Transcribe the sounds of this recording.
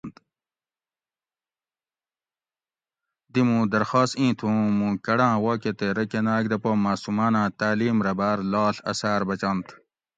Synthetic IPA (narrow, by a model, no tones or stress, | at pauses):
nt̪ | d̪imũːd̪ɐɾxaːst̪ĩːt̪ʰũːmũːkɐɽãːwaːket̪eɾɐkenaːk̚d̪ɐpomaːsumaːnãːt̪aːliːmɾɐbaːɾlaːɬɐ̰saːɾbɐt͡ɕɐnt̪